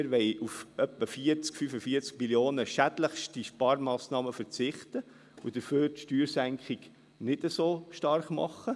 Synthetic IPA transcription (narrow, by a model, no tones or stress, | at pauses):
ɪɾʋɛɪʔufœpːəfiəɾt͡skfyfəfiːəɾt͡sk̚miljoːnəʃæd̥ləχʃtiʃpɑːɾmɑːsnɑːməfəɾt͡sɪχt̪ə | ud̥̪əføːɾtʃtyːɾsæŋkʰχɪɡ | nɪd̥əsoːʃtɑrχmɑ̰χːə